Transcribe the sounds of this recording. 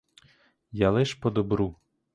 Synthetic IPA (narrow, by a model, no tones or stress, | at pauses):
jalˠɪʃpɔd̪ɔbɾu